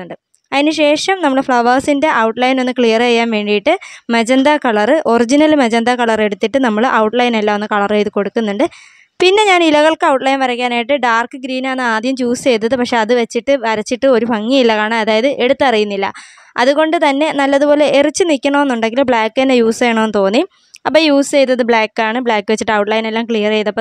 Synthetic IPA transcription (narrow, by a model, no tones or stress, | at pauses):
uɳɖɨ | ɐðinɨɕe̞ːʂɐmnɐmːɐɭefɭɐʋɐrsinde̞ʔɐwʈlɐjno̞nːɨkɭijɐrejːaːnʋe̞ːɳɖijiʈːɨmed͡ʑend̪akɐɭɐrɨʔo̞rid͡ʑinɐlmed͡ʑɐnd̪akɐɭɐre̞ɽut̪ːiʈːɨnɐmːɐɭʔɐwʈlɐjnelːao̞nːɨkɐɭɐrejðuko̞ɽukːunːuɳɖɨ | pinːe̞ɲaːnilɐɣɐɭkɨɐwʈlɐjnʋɐɾɐkʲːaːnaːjiʈːɨɖaːrkːɨɡɾiːnaːnːɨaːd̪jɐmt͡ɕuːst͡ɕe̞jt̪̬ːɐðɨpɐkʂe̞ɐðɨʋɐt͡ɕːiʈːɨʋɐɾɐt͡ɕːiʈːɨo̞ɾupɐŋːiilːɐkaːɳɨɐðaːjɐðɨʔe̞ɽut̪ːɨɐrijunːilːɐ̰ | ɐ̰ðuɣo̞ɳɖɨt̪ɐnːe̞nɐlːɐðupo̞ːle̞ʔerit͡ɕːɨnikʲːɐɳoːe̞nːuɳɖe̞ŋɡilumbɭaːkːɨenːejuːsejɳoenɨt̪o̞ːnːi | ɐpːoːjuːsɨt͡ɕe̞jt̪ːɐðɨbɭaːkːaːɳɨbɭaːkːɨʋet͡ɕːiʈːɨɐwʈlɐjnelːaːmkɭijɐrt͡ɕe̞jt̪ɐpːo